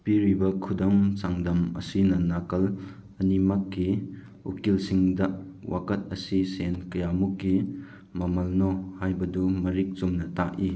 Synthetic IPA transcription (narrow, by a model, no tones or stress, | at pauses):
piɾibɐkʰudaŋt͡ʃaŋdɐmɐ̰sinɐnakɐl | ɐnimakːi | ṵkilsiŋdɐwʔa̰kɐt̚ɐsisenkɐjamukːi | mɐmɐlnɔhajbɐdumɐɾik̚t͡ʃumnɐtaʔi